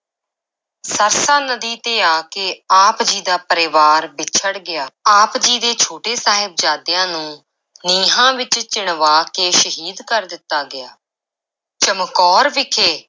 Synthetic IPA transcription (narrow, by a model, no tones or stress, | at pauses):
səɾsãːnəd̪iːt̪eːaːkeːaːpd͡ʒiːd̪aːpəɾɪːʋaːɾbɪt͡ʃʰəɽɡɪjaːaːpd͡ʒiːd̪eːt͡ʃʰoːʈeːsaːɦɪb̚d͡ʒaːd̪ɪjãːnũː | niːɦãːʋɪt͡ʃt͡ʃɪɳ̃ʋaːkeːʃəɦiːd̪kəɾd̪ɪt̪ːaːɡɪjaː | t͡ʃəmkɔːɾʋɪkʰeː